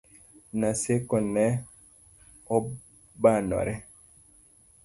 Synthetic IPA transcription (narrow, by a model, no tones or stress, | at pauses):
nasekɔnɛ | ɔ | banɔ̰ɾɛ